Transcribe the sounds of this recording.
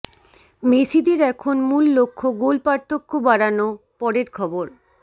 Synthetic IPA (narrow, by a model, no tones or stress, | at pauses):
mesid̪eɾɛkʰonmulːokʰːoɡolpaɾt̪ʰokʰːobaɽano | pɔɽeɾkʰɔboɾ